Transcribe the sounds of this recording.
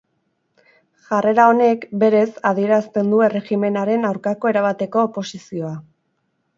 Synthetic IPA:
ʝare̞ɾao̞ne̞kbe̞ɾe̞saðie̞ɾast̪e̞nd̪ue̞re̞ɣime̞naɾe̞nawɾkako̞e̞ɾaβat̪e̞ko̞ːpo̞sisio̞a

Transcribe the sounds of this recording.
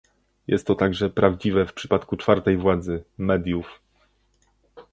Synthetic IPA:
jɛ̰st̪ːɔt̪aɡʐɛpɾavd͡ʑivɛfpʂɘ̥pat̪kut͡ʂfaɾt̪ɛjvwad̪zɘmɛd̪ʲjuf

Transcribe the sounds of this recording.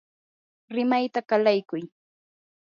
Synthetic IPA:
ɾɪmajt̪akalajkʊj

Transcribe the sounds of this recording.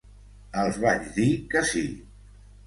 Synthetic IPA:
əlˠzβaʒðikəsi

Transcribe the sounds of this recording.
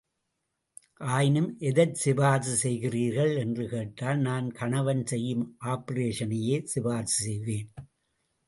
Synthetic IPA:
ʔaːjɪnɯmʔɛðɐɾsɪbaːsɯsɛjɣɪriːɾɣɐɭɛndrɯkeːʈːaːlnaːnkɐɳɐʋɐnsɛjːɯmʔaːpɐɾeːʂɐnɐjeːsɪbaːsɯsɛjʋeːn

